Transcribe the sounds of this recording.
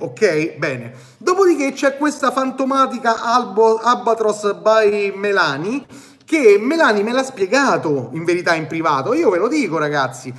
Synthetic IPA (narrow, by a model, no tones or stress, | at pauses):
okɛjbɛːne | d̪ɔpod̪ik̟et͡ʃːɛkːwest̪afant̪omaːt̪̬ikaʔababat̪ɾosbajmelaːni | kemːelaːnimelaspjeɡaːt̪oiɱveɾit̪aimpɾivaːt̪oiːovelod̪iːkoɾaɡat̪sːi